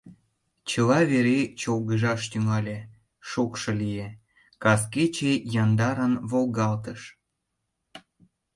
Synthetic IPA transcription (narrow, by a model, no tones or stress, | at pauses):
t͡ɕəlɑβeɾet͡ɕolɣəʒɑʃt̪yŋɑlʲe | ʃukʃɤ̆lije | kɑsket͡ɕejɑnd̪ɑɾənβolɣɑlt̪əʃ